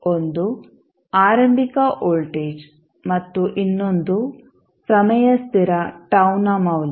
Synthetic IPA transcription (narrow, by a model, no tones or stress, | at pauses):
ond̪u | aːɾɐmbʱikɐʔoːlʈeːd͡ʒ | mɐt̪ːuʔinːond̪u | pɾɐmɐjɐst̪iɾɐʈɐwnɐmɐwl